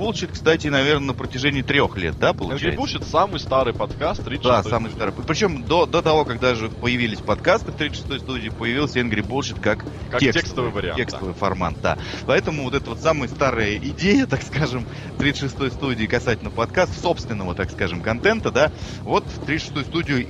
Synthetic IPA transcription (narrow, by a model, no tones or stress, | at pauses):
bulˠt͡ɕɪt̪̚kst̪atʲɪːnɐvʲe̞rnənəpɾətʲɪʐɛnʲɪːt̪ɾʲo̞xlʲe̞̰t̪̚d̪apəlˠʊɛt͡ɕɾʲɪ̰ɛ̰j̰ɪuʂɪt̪samɨjst̪aɾɨjpɐt̪kast̪ːɾʲid̪asamɨjst̪aɾɨjppɾʲɪt͡ɕo̞md̪o̞d̪o̞t̪ɐvo̞kaɡ̚d̪aʐɨpəjɪvʲilʲɪsʲpɐt̪kast̪ɨft̪ɾʲit̪ʂɨ̥st̪o̞jst̪udʲɪːpəjɪvʲilˠsʲəɛnɡɾʲɪbulˠɕɪt̪kak | katʲːek̪ʲstksəvəvɨjvəɾʲɪ̰a̰ekst̪əvɨjfɐ̰rma̰nt̪̚d̪a̰pɐɛt̪əmʊvot̪ɛt̪əvo̞t̪samɨjəst̪aɾɨjəʔɪdʲejət̪akskaʐɨm | t̪ɾʲit̪ʂɨst̪o̞jst̪udʲɪːkɐsatʲɪlʲnəfpɐt̪kast̪so̞pst̪vʲɪnːəvət̪akskaʐɨmkɐnt̪ɛnt̪əd̪a | vo̞t̪ft̪ɾʲit̪ʂɨ̥st̪ojʊst̪udʲɪjʊ